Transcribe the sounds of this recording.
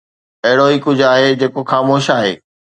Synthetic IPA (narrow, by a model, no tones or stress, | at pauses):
ɐɦɪɽoiːkʊd͡ʑʱaːɦed͡ʑeːkoxaːmoːʃaːɦḛː